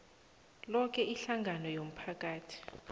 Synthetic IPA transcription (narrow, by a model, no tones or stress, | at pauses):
lɔk̬ʰʼɛʔiɬaŋʱanɔjom̩pʰak̬ʼaːtʰi̥